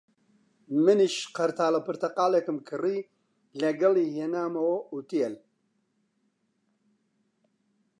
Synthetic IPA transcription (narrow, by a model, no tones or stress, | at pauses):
mɨniʃqɐɾt̪ʰaːlɐpʰɨɾt̪ɐqaːlekɨmkʰɨri | lɛɡɐliːhenaːmɐwout̪ijɛl